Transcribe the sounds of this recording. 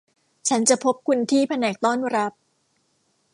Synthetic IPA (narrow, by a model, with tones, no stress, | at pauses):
t͡ɕʰa˦˥nt͡ɕa˨˩pʰo˦˥p̚kʰu˧nt̪ʰiː˥˩pʰa˧nɛː˨˩k̚t̪ɔː˥˩nɾa˦˥p̚